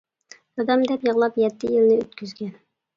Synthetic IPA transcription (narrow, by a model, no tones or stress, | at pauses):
jɑd̪ɑmd̪ɛpjɤʁlˠɑpjɛt̪ːɪjilnɪøt̪̚kʲʰyzɡʲɛn